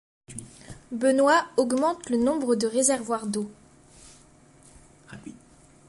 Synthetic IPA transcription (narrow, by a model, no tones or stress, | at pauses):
bənwaɔɡmɑ̃t̪lənɔ̃bʁəd̪əʁezɛʁvwaʁd̪o